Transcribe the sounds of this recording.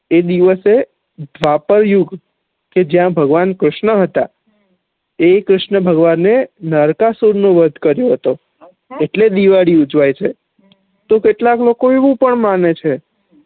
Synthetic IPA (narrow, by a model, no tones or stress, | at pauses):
ed̪iʋəse | d̪ʱʋapəɾjuɡ | ked͡ʒjãbʱəɡʋankɾʊʃɳəɦət̪a | ekɾʊʃɳəbʱəɡʋanːenəɾkasuɾnoʋəd̪ʱkəɾjoɦət̪o | eʈled̪iʋaɽiud͡ʒʋajt͡ʃʰe | t̪okeʈlaklokoeʋũpəɳmanet͡ʃʰe